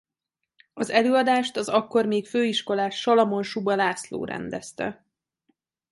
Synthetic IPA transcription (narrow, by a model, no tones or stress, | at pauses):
ɒzɛløːɒd̪aːʃt̪ɒzɒkːo̞rmeːkføːiʃko̞laːʃʃɒlɒmo̞nʃubɒlaːslo̰ːɾɛ̰nd̪ɛst̪ɛ̰